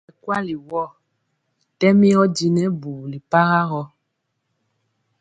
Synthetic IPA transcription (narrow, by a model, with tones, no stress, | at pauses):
kwa˦li˨wɔ˦˨ | tɛ˦mĩ˦ɔ˦d͡ʒi˨nɛ˦bu˨li˨pa˦ɣa˦ɣɔ˦